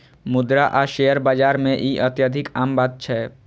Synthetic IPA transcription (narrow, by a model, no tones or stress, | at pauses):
mʊd̪ɾaʔaːʃeːjəɾbaːd͡ʒaːɾmẽʔiʔət̪jad̪ʱɪkaːmbaːd̪̚t͡ʃʰɛː